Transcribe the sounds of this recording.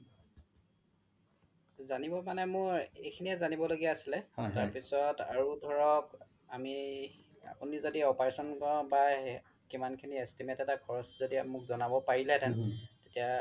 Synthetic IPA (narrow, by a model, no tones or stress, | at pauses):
zanibɔmanɛmʊɹḛjkʰiniɛzanibɔloɡijaːsilɛtaɹpisɔta̰ɹudʱɔɹɔk | ami | a̰punizodiɔpaɹesɔnkɔba | kimankʰiniestimetɛtakʰɔɹɔszodiamʊkzɔnabɔpaɹilɛtantetija